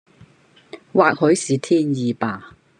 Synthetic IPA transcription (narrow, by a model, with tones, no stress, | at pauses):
waː˨k̚hɵ˨˥ɥsiː˨t̪ʰiː˥njiː˨˧paː˨˧